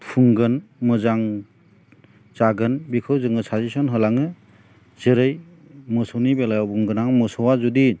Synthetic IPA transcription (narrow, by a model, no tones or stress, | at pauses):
pʰuŋɡɯnmɯzaŋ | zaɡɯnbikʰɯwzɯŋɯsʰazisɔnɦɯlaŋɯ | z̥ɯɾɯj | mɯsɔwnibelajawbuŋɡɯnaŋmɔsɔwazudi